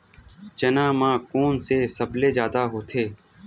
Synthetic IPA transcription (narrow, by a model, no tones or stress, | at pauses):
t͡ʃənãːmãːkoːnseːsəblezjaːd̪aːɦoːt̪ʰeː